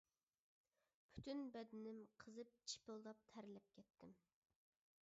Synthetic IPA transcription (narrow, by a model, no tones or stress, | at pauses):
pʰy̥t̪ynbɛd̪ɪnɪmqʰəzɨp̚t͡ʃʰi̥pɨlˠd̪ɑp̚t̪ʰæɾɪlɛp̚kʲʰɛt̪ʰːɪm